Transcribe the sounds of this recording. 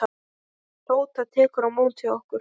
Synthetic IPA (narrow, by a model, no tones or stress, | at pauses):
roːwt̪aðt̪ʰɛːkʏɾawmowlt̪ʰiɔhkʏɾ̥